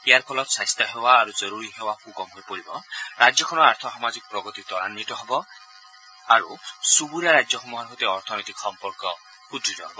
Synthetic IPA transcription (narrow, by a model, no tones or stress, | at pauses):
eaɾpʰɔlɔt̪sast̪ɔɦewaːɾud͡ʒɔɾuɾiɦewakuɡɔmɦojpɔɾibɔɾad͡ʒjɔkʰɔɽ̃ɔaɾt̪ʰɔɦɔmad͡ʒikɔpɾɔɡɔt̪it̪ɔɾa̰nmit̪ɔɦebɔ | aɾusubuɾaɾad͡ʒjɔɦumuɦanɦot̪eɔɾt̪ʰɔnɔjt̪iksɔmpɔɾkɔ | kud̪ɾit̪ɔɦebɔ